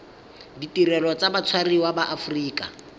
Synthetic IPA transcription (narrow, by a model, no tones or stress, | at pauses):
ditʼirɛlɔt͡sabat͡sʰwariwabaʔafriːkʼa̰